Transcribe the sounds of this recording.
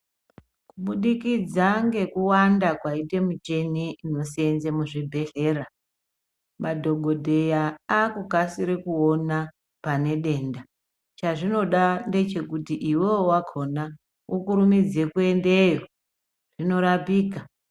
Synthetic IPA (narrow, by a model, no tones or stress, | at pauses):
kuɓuɗikid͡zaŋɡe̞kuwandakwaite̞mut͡ʃe̞niino̞sie̞nzemuʐibʱe̞ɬe̞ːɾa | madʱo̞ɡʱo̞dʱe̞jaakukasiɾikuo̞na | pane̞ɗe̞ːnda | t͡ʃaʐino̞ɗande̞t͡ʃe̞kutiʔiwewwakʰo̞na | ʔukuɾumid͡ze̞kue̞nde̞jo̞ | ʐ̥ino̞ɾapiːka